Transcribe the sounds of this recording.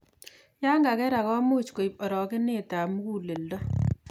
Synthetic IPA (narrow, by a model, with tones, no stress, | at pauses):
ja˦ŋɡa˨kɛ˦ɾa˨kɔ˦mo˦t͡ʃko˨i˨pɔ˨ɾɔ˨kɪ˦nɪ˦ta˨mu˦ku˦˨le˨ldɔ˦